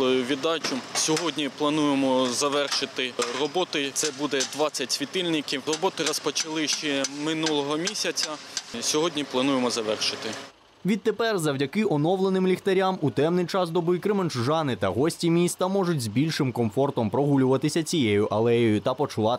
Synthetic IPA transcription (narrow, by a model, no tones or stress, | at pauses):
lˠɔjʊʋʲid̪ɑt͡ʃʊsʲɔɦɔdʲnʲiplˠɐnujemɔzɐʋɛrʃɪt̪ɪrɔbɔt̪ɪt̪sɛbud̪ɛd̪ʋɑt͡sʲːɐtʲsʲʋʲit̪ɪlʲnʲɪkʲiwrɔbɔt̪ɪɾɔspɔt͡ʃɐlˠɪʃt͡ʃɛmɪnulˠɔɦɔmʲisʲɐt͡sʲɐsʲɔɦɔdʲnʲiplˠɐnujemɔzɐʋɛrʃɪt̪ɪ | ʋʲid̪̚t̪epɛrzɐwdʲɐkɪʔɔnɔwlˠenɪmlʲixt̪ɐɾʲamut̪ɛmnɪjt͡ʃɑsd̪ɔbʊjikɾɪmenʒʒɑnɪt̪ɐɦɔsʲtʲimʲist̪ɐmɔʒʊtʲzbʲilʲʃɪmkɔmfɔrt̪ɔmpɾɔɦulʲʊʋɐt̪ɪsʲɐt͡sʲijejʊʔɐlˠɛjɔjʊt̪ɐpɔt͡ʃʊlˠɑ